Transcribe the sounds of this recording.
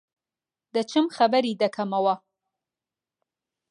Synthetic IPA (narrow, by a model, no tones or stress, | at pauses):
d̪ət͡ʃəmxabaɾid̪akʰamawa